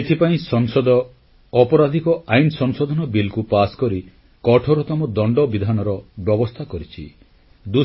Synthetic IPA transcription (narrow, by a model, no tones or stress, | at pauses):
et̪ʰipaĩsɔŋsɔd̪ɔː | pɔɾad̪ʱikɔajnɔsɔŋsɔd̪ʱɔnɔbilkupaskɔɾi | kɔʈʰoɾɔt̪ɔmɔd̪ɔɳɖɔbid̪ʱanɔɾɔbjɔbɔst̪ʰakɔɾit͡ʃʰḭ | d̪u